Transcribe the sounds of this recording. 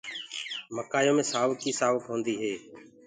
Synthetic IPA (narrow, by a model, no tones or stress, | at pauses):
məkaːjõːmẽːsaːʋəkiːsaːʋəkɦõːnd̪iːɦeː